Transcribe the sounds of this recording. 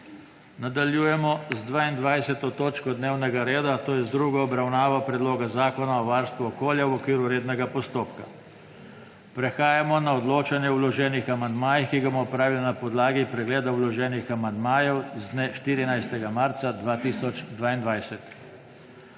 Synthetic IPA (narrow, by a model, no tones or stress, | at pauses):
nad̪aljuːjɛmɔzd̪ʋaːind̪ʋajsɛt̪ɔt̪oːt͡ʃkɔd̪neːwnɛɡaɾeːd̪at̪oːjɛzd̪ɾuːɡaɔbɾawnaːʋapɾɛd̪loːɡazaːkɔnaɔʋaɾst̪ʋuɔkoːljawɔkʋiːɾuɾeːd̪nɛɡapɔst̪oːpka̰ | pɾɛxaːjamɔnaɔd̪loːt͡ʃanjɛwlɔʒɛːnixamand̪maːjixkiɡamɔɔpɾaːʋilanapɔd̪laːɡipɾɛɡleːd̪awlɔʒɛːnixamand̪maːjɛwzd̪neʃt̪iːɾinajst̪ɛɡamaɾt̪sad̪ʋaːt̪iːsɔd͡ʒd̪ʋaːind̪ʋajsɛt̪